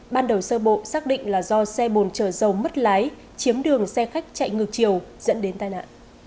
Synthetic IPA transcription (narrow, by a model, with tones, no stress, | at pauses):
ɓaː˧nɗə˨˩wsəː˧ɓo̰˧˨saː˦˥k̚ɗḭ̈˧˨ŋ̟laː˨˩zɔ˧sɛ˧ɓo˨˩nt͡ɕəː˧˩zə˨˩wmə˦˥t̚laː˨˦j | t͡ɕi˨˦əmɗɨ˨˩əŋsɛ˧xa˦˥jk̚t͡ɕa̰˧˨jŋɨ˨˩k̚t͡ɕi˨˩əwz̥ə̰˧˥nɗe˨˦nt̪aː˧jna̰ː˧˨nʔ